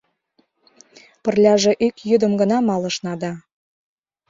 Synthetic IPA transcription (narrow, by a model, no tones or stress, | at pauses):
pə̆rlʲɑʒĕʔykjyd̪ə̆mɡə̆nɑmɑlɤ̆ʃnɑd̪ɑ